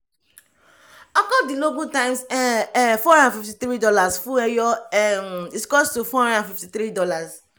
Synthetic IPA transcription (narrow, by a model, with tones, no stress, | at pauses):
ɔ˦kɔ˦di˨lo˦ɡu˦tã˦ɪ̃msɛfɔ˦hã˦nddã˨fi˨fti˨t̪ɾi˦dɔ˦la˨sfu˦ɛ˦jɔ˦ | i˨skɔ˦stu˨fɔ˦hã˦ndã˨fi˨fti˨θɾi˦dɔ˦la˨s